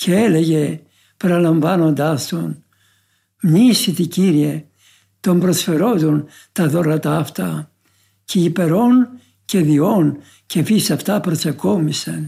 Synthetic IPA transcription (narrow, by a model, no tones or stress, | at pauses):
cʰeeleʝe | peɾɐlɐɱvɐno̞nd̪ɐst̪o̞n | mɲisit̪iciɾie | t̪o̞mbɾosfeɾo̞t̪on | t̪ɐðo̞ɾɐt̪ɐːft̪ɐ | ceipe̞ɾo̞n | ce̞ðio̞n | cefisɐft̪ɐpɾot͡seko̞misen